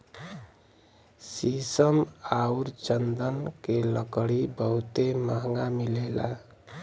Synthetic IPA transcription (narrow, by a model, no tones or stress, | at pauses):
sisəmauɾt͡ʃənd̪ənkeləkɽibəɦut̪eməɦŋɡamilela̰